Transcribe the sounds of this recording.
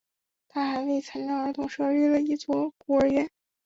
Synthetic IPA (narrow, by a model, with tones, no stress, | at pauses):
t̪ʰa˥˩xa˧˥ɪwe˥˩ɪt͡sʰa˧˥nlɑ˧˥ŋə˞˧˥t̪ʰʊ˥ŋʂɤ˥˧ɻy˥˩lə˩i˥˩t͡swɔ˥˩ku˧˩ə˞˧˥ɥɛ˧˥˦n